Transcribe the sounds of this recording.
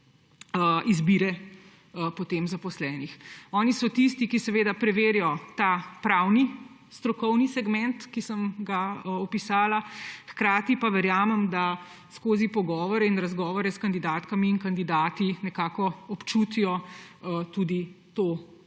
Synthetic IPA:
əizbiːɾɛ | pɔt̪eːmzapɔslɛːnixɔːnisɔt̪ist̪ikisɛʋeːd̪apɾɛʋeːɾjɔt̪aːpɾaːwni | st̪ɾɔkɔwnisɛɡmɛnt̪kisəmɡaɔpisaːlaxkɾaːt̪ipaʋɛɾjaːmɛmd̪a | skoːzipɔɡɔːʋɔɾɛinɾazɡɔːʋɔɾɛskand̪id̪aːt̪kamiːŋkand̪id̪aːt̪inɛkaːkɔɔpt͡ʃut̪ijɔ | t̪uːd̪it̪oː

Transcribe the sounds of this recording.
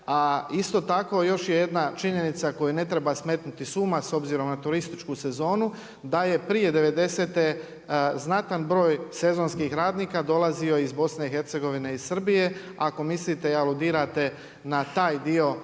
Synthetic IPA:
aist̪o̞t̪ako̞jo̞ʃjeje̞d̪nat͡ʃiɲe̞nit̪sako̞june̞t̪ɾe̞basmet̪nut̪isuːmaso̞bziːɾo̞mnat̪uɾist̪it͡ʃkuse̞zo̞ːnu | d̪aje̞pɾije̞d̪e̞ʋe̞d̪e̞se̞ːt̪e | znat̪anbɾo̞ːjse̞zo̞nskixɾaːd̪niːkad̪o̞lazio̞izbo̞sne̞ixe̞ɾt̪seɡo̞ʋine̞izsr̩bije̞ | ako̞mislit̪eialˠud̪iːɾat̪e̞ | nat̪aːjd̪io̞

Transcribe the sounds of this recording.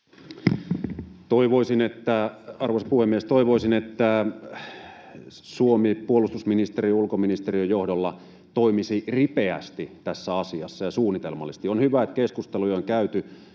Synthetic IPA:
t̪oiʋoisinet̪ːæɑrʋoˑisɑpuhemːest̪oiʋoisinet̪ːæ | suomipuolˑust̪usminist̪eriulkominist̪eriøjohdolːɑ | t̪oimisiripeæ̰st̪it̪æsːæɑsiɑ̰sːɑjɑsuːnːˑit̪elmɑ̰lːˑist̪ionhyʋæet̪keskust̪elujoŋkæyt̪y

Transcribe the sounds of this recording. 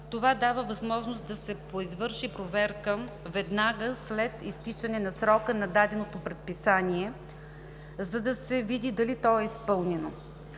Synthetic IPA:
t̪ovad̪avəvɐzmɔʒnost̪d̪ɐsɛpoizvɤɾʃipɾovɛɾkəvɛd̪naɡəslɛt̪ist̪it͡ʃɐnɛnɐsɾɔkənɐd̪ad̪ɛnot̪opɾɛt̪̚pisaniɛ | zɐd̪ɐsɛvid̪id̪ɐlit̪ɔɛispɤlˠnɛno

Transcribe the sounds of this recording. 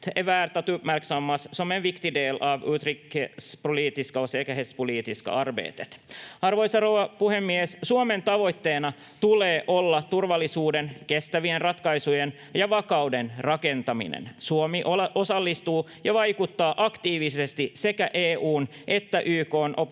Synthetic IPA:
t̪eʋæːrt̪æt̪ypmærksɑmːɑssomeʋʋikt̪ideːlɑːʋuːt̪rikspoliːt̪iskɑoseːkæɦespoliːt̪iskɑ̰ɑrʋḛːt̪et̪ɑrʋo̞jsɑrowʋɑpuhemːiessuome̞nt̪ɑʋo̞jt̪ːe̞ːnɑ | t̪uleːʔo̞lːɑt̪urʋɑlːisuːdenke̞st̪æʋienrɑt̪kɑjsujen | jɑʋɑkɑwdenrɑke̞nt̪ɑmḭnḛnsuomiʔo̞sɑlːist̪uː | jɑʋɑjkut̪ːɑːʔɑkt̪iːʋisest̪ise̞kæʔeːuːn | ʔe̞t̪ːæʔyːko̞ːnʔop

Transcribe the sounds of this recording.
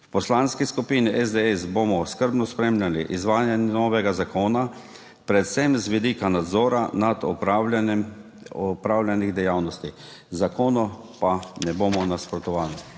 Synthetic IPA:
wpɔslanskiskupiːniʔɛzd̪ɛɛsbomɔskəɾbnɔspɾeːmlʲaliʔizʋaːjɛnɛnɔːʋɛɡazakoːna | pɾɛt̪sɛmzʋid̪iːkanad̪zɔːɾanad̪ɔ | ɔpɾaːwlʲjaniɣd̪ɛjawnɔst̪i | zakoːnɔ | panɛboːmɔnaspɾɔt̪ɔʋaːli

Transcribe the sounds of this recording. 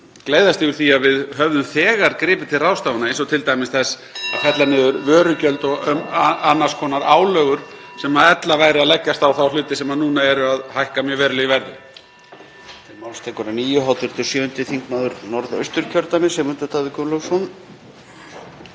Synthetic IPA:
kleːjðast̪ɪɣʏɾ̥θiaðvɪðɦœvðʏmθɛːɣaɾkɾɪːpɪt̪ʰɪlrawst̪awvanaejnsɔt̪ʰɪlt̪ajmɪsθɛs | kʰɛt̪lanɪðʏɾvœːɾʏcœlt̪ɔɣœmanːaskʰɔːnaɾaːwlœːɣʏɾ̥ | sɛmaðɛt̪lavaːjɾɪaðlɛcːast̪awθawlʏːt̪ɪsɛmaðnuːnaɛɾʏaðhajhkamjœvɛːɾʏlɪivɛɾðɪ | t̪ʰɪmawlst̪ʰɛkɔɾaniːjʏɦawt̪ɪɾ̥t̪ʰɪsjœːvʏnt̪ɪθiŋkmaðʏɾnɔɾðœ̰ɥst̪ʏɾ̥cʰœɾt̪amɪsɛmʏnt̪ʏt̪ʰaːðɪkœlɔwsɔn

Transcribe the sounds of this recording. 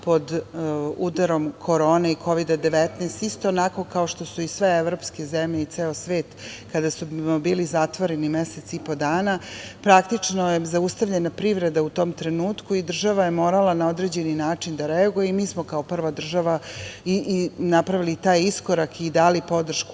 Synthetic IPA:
po̞d̪ud̪aɾo̞mkʰo̞ɾoːneikʰo̞ʋid̪ad̪eʋet̪neːst̪ist̪o̞ːnako̞kaoʃt̪o̞suisʋe̞eʋɾo̞ːpske̞zemʎeit̪seːosʋe̞ːt̪kad̪asubiːlizat̪ʋoɾe̞nimeset̪sipo̞d̪aːnapɾakt̪it͡ʂnojezaust̪aʋʎe̞napɾiʋɾe̞d̪aut̪o̞ːmt̪ɾe̞nuːt̪kuid̪r̩ʒaʋaje̞mo̞ːɾalanao̞d̪ɾe̞d͡ʑe̞ninaːt͡ʂind̪aɾeaɡujeimiːsmokaopr̩ʋad̪r̩ʒaʋainapɾaʋilit̪aːjiskoɾakid̪aːlipo̞d̪r̩ʃku

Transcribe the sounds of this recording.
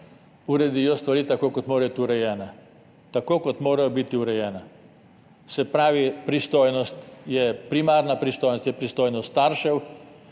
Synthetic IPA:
uɾɛd̪ijɔst̪ʋaɾiːt̪akoːkɔt̪moːɾabit̪uɾɛjɛːna | t̪akoːkɔt̪moːɾajɔbit̪iuɾɛjɛːna | sɛpɾaːʋipɾist̪oːjnɔst̪jɛpɾimaːɾnapɾist̪oːjnɔst̪jɛpɾist̪oːjnɔst̪aːɾʃɛw

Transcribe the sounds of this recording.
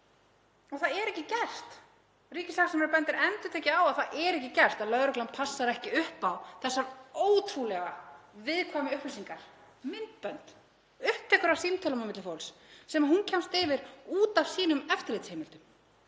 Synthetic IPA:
ɔɣθaðɛɾɛhcɪcɛr̥t̪ | riːcɪslaxsɛmɛɾpœnt̪ɪɾɛnt̪ʏt̪ʰɛːcɪawaðθaðʔɛɾɛhcɪcɛr̥st̪aðlœðɾœklanpʰasːaɾɛhcɪʏhpawθɛsːaɾoːwt̪ʰɾulɛɣavɪðkʰvaːmɪʏhplɪsiŋkaɾ̥ | mɪnt̪̚pœnt̪ | ʏhp̚t̪ʰɛkʏɾasint̪ʰœlamamɪt̪lʏfowlsːɛmaɦuncʰɛmst̪ɪvɪɾuːt̪av̥siːnʏmɛft̪ɪɾleːt̪shejmɪlt̪ʏm

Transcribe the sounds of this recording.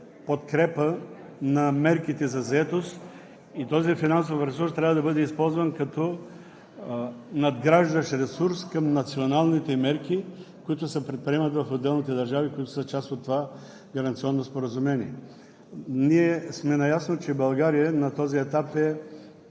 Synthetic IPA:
pot̪kɾɛpə | nɐmɛɾkit̪ɛzɐzɐɛt̪ost̪ | it̪ɔzifinansofɾɛsuɾst̪ɾʲavəd̪ɐbɤd̪ɛispɔlˠzvɐnkɐt̪ɔ | nɐd̪ɡɾaʒd̪ɐʃɾɛsuɾskɐmnɐt̪sionalˠnit̪ɛmɛɾkikoit̪ʊsəpɾɛt̪̚pɾiɛmət̪vɐfod̪ɛlˠnit̪ɛd̪ɐɾʒavikoit̪ʊsət͡ʃast̪ot̪ːova | ɡɐɾɐnt̪siɔnːospoɾɐzʊmɛniɛ | niɛsmɛnɐjasnot͡ʃɛbɐlˠɡaɾijənɐt̪ɔziɛt̪apɛ

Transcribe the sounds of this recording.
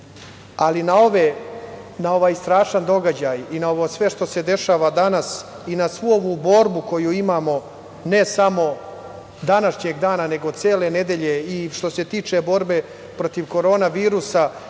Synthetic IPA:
alinao̞ʋe | nao̞ʋaːjst̪ɾaːʃand̪o̞ɡad͡ʑajinao̞ʋoːsʋe̞ʃt̪o̞se̞d̪e̞ʃaːʋad̪anas | inasʋuoʋubo̞ɾbuko̞juimaːmo̞ | ne̞samo̞ | d̪anaʃɲeɡd̪aːnane̞ɡo̞t̪seːle̞ne̞d̪e̞ʎeiʃt̪o̞se̞t̪iːt͡ʂe̞bo̞ɾbe̞ | pɾot̪iʋko̞ɾo̞ːnaʋiːɾusa

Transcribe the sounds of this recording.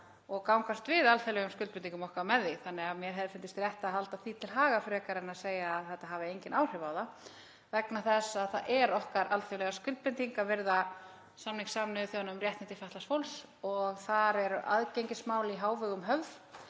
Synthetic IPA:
ɔɣkawŋkast̪vɪðalθɛlɛɣʏmskʏlpnt̪iŋkʏmɔhkaɾmɛðːɪθanːɛɣaðmjɛɾɦɛðɪɾfɪnt̪ɪst̪ɾjɛht̪aðɦalt̪aθit̪ʰɪlɦaːɣafɾɛːkaɾɪnaðseːjaːðθɛht̪aɦaːvɪejɲcɪnʔaːwr̥ɪvaːwða | vɛknaθɛsːaðθaʔɛɾɔhkaɾʔalθelɛɣaskʏlt̪̚pɪnt̪iŋkavɪɾða | samniŋksamnɪθjawnʏmrjɛht̪ɪnt̪ɪfaht̪lasfowls | ɔɣθaɾɛɾʔa̰ðcejɲcɪsmaːwlɪiɦaːwvʏɣʏmɦœvð

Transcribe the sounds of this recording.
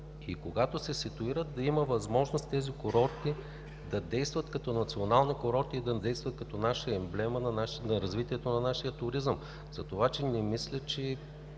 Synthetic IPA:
ikoɡat̪osɛsit̪ʊiɾət̪̚d̪ɐiməvɐzmɔʒnost̪t̪ɛzikoɾɔɾt̪i | d̪ɐd̪ɛjst̪vət̪kɐt̪ɔnɐt̪sionalˠnikoɾɔɾt̪iːd̪ɐd̪ɛjst̪vɐt̪̚kɐt̪ɔnaʃəɛmblɛmənɐnaʃnɐɾɐzvit̪iɛt̪onɐnaʃijət̪ʊɾizəm | z̥ɐt̪ovat͡ʃɛnɛmislʲət͡ʃɛ

